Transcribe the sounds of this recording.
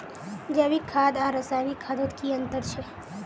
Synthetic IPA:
d͡ʒaʋikʰːad̪ãɾəsaʋikʰːad̪ot̪kiənt̪əɾt͡ʃʰe

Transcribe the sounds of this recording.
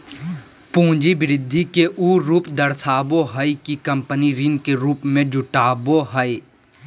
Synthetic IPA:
pũːd͡ʒibɪɾɪd̪ʱːikeʔuːɾuːpd̪əɾsʰaːboɦəikikɐ̃mpəniɾinkeɾuːpmẽd͡ʒʊʈaːboɦəi

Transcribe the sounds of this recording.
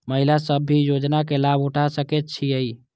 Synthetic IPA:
məɦilasəbʱːijod͡ʒnakelabuʈʰasəkɛt̪̚t͡ʃʰiəi

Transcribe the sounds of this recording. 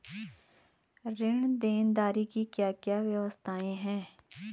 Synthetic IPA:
ɾɪɳ̃d̪eːnd̪aːɾikikjaːkjaːʋjɐʋəst̪ʰaːẽɦɛ̃ː

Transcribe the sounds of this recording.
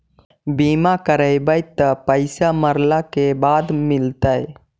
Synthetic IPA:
biːmakəɾəjbəjt̪ːəpəɪsaməɾlakebaːd̪mɪlt̪əj

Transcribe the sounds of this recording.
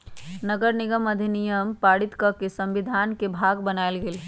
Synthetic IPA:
nəɡəɾniɡəməd̪ʱinijəmpaɽit̪kəkesə̃mbid̪ʱankebʱaɡbənaɪlɡeːl

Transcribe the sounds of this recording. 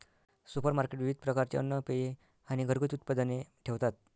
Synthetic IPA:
supəɾmaɾkeʈʋiʋid̪̚ʱpɾəkaɾt͡ɕḛə̰nːəpeje | aɽ̃iɡʱəɾɡət̪ut̪̚pad̪əneʈʰeʋt̪at̪̚

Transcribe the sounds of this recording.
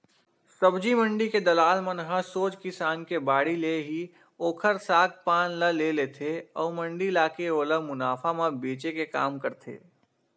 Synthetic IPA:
səbd͡ʒimə̃ɳɖiked̪ɐlaːlmənɦəɾsoːt͡ʃkɪsaːnkebaːɽileɦi | oːkʰəɾsaːk̚paːnləleleːt̪ʰeɔːmə̃ɳɖilaːkeoːləmʊnaːfʰamãbeːt͡ʃekeka̰ːmkəɾt̪ʰḛː

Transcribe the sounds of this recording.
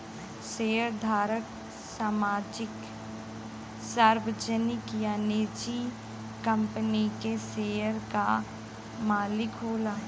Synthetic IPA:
seːəɾd̪ʱaːɾək | saːmaːd͡ʒɪk | saɾʋəd͡ʒənɪkjaned͡ʒi | kə̃mpənikeseːəɾka | maːlɪkɦoːlaː

